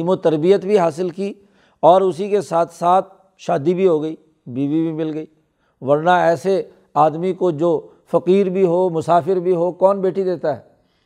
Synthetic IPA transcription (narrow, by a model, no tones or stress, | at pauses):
mõt̪əɾbɪjət̪bʱiɦaːsɪlkiː | ɔːɾʊsikesaːt̪ʰsaːt̪̚ʰ | ʃaːd̪ibʱiɦoːɡəiː | biːʋibʱimɪlɡəiː | ʋɐɾnaɛːse | aːd̪mikod͡ʒoː | fɐqiːɾbʱiɦoːmʊsaːfɪɾbʱiɦoːkɔːnbeːʈid̪eːt̪aɦɛ̰ː